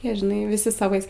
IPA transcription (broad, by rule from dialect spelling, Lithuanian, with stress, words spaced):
ˈjiɛ ʒʲɪˈnɐɪ ʋʲɪˈsʲɪ sɐˈʋɐɪs